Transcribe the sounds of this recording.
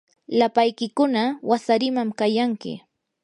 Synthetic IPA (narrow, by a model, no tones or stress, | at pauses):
lapajkɪkʊnawasaɾɪmamkajaŋkɪ̰